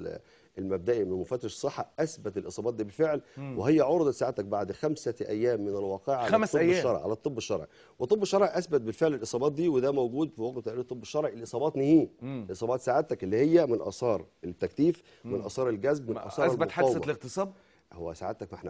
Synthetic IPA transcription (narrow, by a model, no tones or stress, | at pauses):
elmæb̚d̪æʔimemofæt̪ːeʃsˤːeħːɑʔæsbæt̪elʔesˤɑːbɑːt̪̚d̪iːbelfeʕlweɦejːæʕoɾd̪ɑt̪saːʕat̪æk̚baʕd̪xæmsæʔæ̰jːæːmːɪnælwɑːqeːʕaæmˤeʃːɑɾˤʕḭʕa̰læt̪ˤːɨbːeʃːɑɾˤʕi | wet̪ˤebːeʃːɑɾˤʕiʔæsbæt̪̚belfeʕlelʔɨsˤɑːbɑːt̪̚d̪iːwed̪æmowɡuːd̪fiwæɡt̪t̪aʕʔelit̪ˤːebːeʃːɑɾˤʕiʔlʔɨsˤɑːbɑːt̪nihiːlʔesˤɑːbɑːt̪saːʕat̪ːækʔelːiːhejːæmɪnʔɑ̰ːsˤɑːɾˤet̪ːækt̪iːf | mɪnʔɑ̰sˤɑːɾˤelɡæzbmnʔɑ̰sˤɑːɾelbħaɑwːeɣt̪esˤɑːb | howːæsaʕad̪t̪ækmħn